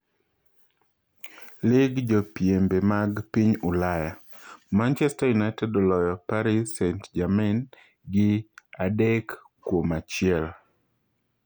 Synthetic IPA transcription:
lɪɡd͡ʒɔpjembemaɡpiɲulaja | mant͡ʃɛstajunajtɛdɔlɔjɔpaɾisɛntd͡ʒamɪn | ɡɪadɛkː | womat͡ʃɪɛl

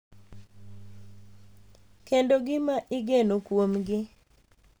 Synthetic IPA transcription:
kendoɡɪmaʔɪɡenokwomɡɪ

